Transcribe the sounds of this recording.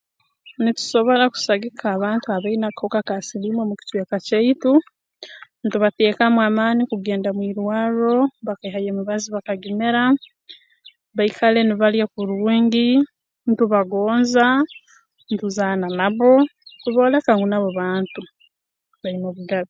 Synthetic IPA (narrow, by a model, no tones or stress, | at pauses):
nitu̥so̞βo̞ɾaku̥saɡikʰaːβaːntuaβainakokakasilimwemuci̥tweːkaceitu | ntuβateːkamwaːmaːnikuɡe̞ːndamwiːɾwaːɾoβakaiɦajemuβaziβakaɡimeɾa | βaikʰale̞niβaljakuɾwuːŋɡi | ntuβaɡoːnza | ntuzaːnanaβo̞tuβo̞ːlekaŋɡunaβoβaːntu | βainoβuɡaβo